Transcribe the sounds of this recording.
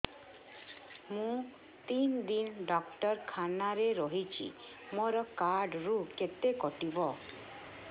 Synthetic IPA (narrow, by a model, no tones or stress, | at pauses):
mũ | t̪ind̪inɖɔkʈɔɾkʰanaɾeɾɔɦit͡ʃʰḭ | moɾɔkaɾɖɾuket̪ekɔʈibɔ